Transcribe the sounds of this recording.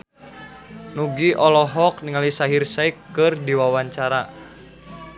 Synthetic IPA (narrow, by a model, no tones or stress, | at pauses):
nuɡiʔɔlɔɦɔk̚niŋalisaɦirsaikːɨrdiwawaɲt͡ʃaɾa